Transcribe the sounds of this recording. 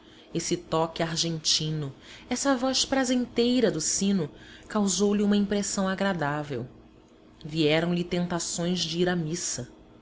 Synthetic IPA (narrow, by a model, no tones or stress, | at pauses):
esɪt̪ɔkɪaɾʒẽnt͡ʃĩnʊɛsɐvɔspɾazẽnt̪ejɾɐd̪ʊsĩnʊkawzowliũmɐĩmpɾesɐ̃w̃aɡɾad̪avḛw | viɛɾɐ̃w̃lɪt̪ẽnt̪asõj̃zd͡ʒɪiɾamisɐ